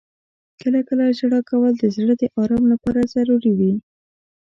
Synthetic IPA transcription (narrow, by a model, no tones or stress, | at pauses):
kəlakəlaʒɽɑkawəld̪əzɽəd̪əʔɑɾɑmlapɑɾazaɾuɾiwi